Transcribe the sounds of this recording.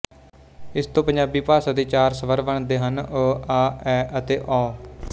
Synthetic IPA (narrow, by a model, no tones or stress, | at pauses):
ɪst̪õːpəɲd͡ʒaːbiːpaːsaːd̪eːt͡ʃaːɾsəʋəɾʋəɳd̪eːɦənəaːɛːət̪eːʔɔː